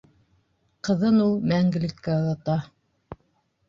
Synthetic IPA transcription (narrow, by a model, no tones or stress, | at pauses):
qɤ̆ðɤnulˠmæŋɡɘ̆lɘ̆kːæŏðɑt̪ɑ